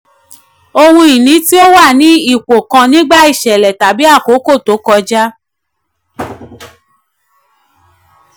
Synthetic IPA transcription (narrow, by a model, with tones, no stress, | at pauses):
o˧hũ˧i˨nĩ˨˦ti˦o˦wa˦˨nĩ˨˦i˦˨ko˨kã˧nĩ˦ɡ͡ba˦i˦˨ʃɛ˨lɛ˨ta˨˦bi˦a˦˨ko˨˦ko˦˨to˨˦kɔ˧d͡ʒa˦